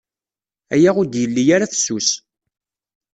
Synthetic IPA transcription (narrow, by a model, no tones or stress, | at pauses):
æjaʁʊd̪jəlːijaɾaθə̥sːus